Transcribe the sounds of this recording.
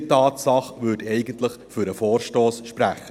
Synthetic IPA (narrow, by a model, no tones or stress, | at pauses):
tɑːtsɑχʋʉːtɛɪɡənt̪ləχfʏɾəfɔːɾʃtoːsʃpɾæχːə